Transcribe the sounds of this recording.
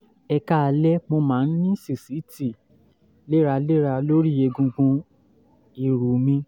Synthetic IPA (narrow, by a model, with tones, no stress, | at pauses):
ɛ˧ka˦a˧lɛ˦mo˧mãː˨˦˧n̩˦nĩ˦si˦˨si˨˦ti˦˨ | le˦ɾa˧le˦ɾa˧lo˦ɾi˦je˧ɡũ˧ɡũ˧ | i˨ɾu˨mĩ˧